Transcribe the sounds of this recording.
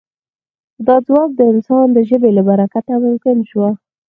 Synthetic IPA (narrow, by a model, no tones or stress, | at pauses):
d̪ɑd͡zwɑk̚d̪əɪnsɑnd̪əʒəbelabaɾakat̪amʊmkɪnʃwa